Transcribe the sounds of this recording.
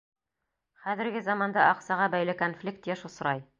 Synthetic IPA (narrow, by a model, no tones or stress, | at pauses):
χæðɘ̆ɾɡɘzɑmɑnd̪ɑʔɑqsɑʁɑbæjlɘkonflʲik̚t̪jæʃŏs̆ɾɑj